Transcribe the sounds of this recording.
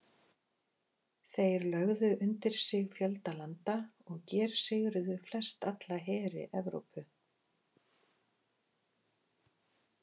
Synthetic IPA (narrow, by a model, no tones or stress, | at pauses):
θejɾlœɣðʏʔʏnt̪ɪɾ̥sɪɣfjœlt̪alant̪aɔɣcɛːɾ̥sɪɣɾʏðʏflɛst̪at̪laɦɛːɾɪ̰ʔɛvɾo̰wpʰʏ